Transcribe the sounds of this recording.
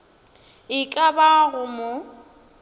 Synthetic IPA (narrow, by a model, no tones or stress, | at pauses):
ɪkʼabaɣʊmʊ